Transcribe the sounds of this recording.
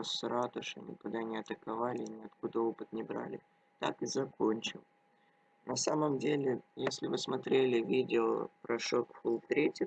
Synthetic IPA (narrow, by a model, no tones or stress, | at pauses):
sɾat̪əʂɐ̰nʲɪ̰kʊd̪anʲɪɐt̪əkɐvalʲɪnʲɪɐt̪kud̪əo̞pɨt̪nʲɪbɾa̰lʲɪ | t̪a̰kɨzɐko̞nʲt͡ɕɪlˠ | nɐsaməmdʲelʲɪjesʲlʲɪvɨsmɐt̪ɾʲelʲɪvʲidʲɪopɾɐʂokfulˠt̪ɾʲetʲɪ